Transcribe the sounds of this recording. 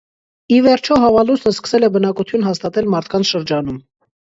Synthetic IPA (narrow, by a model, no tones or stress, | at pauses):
ivɛɾt͡ʃʰɔɦɑvɑlusnəskə̥sɛlɛbənɑkut̪ʰjunɦɑst̪ɑt̪ɛlmɑɾt̪ʰkɑnt͡sʰʃəɾd͡ʒɑnum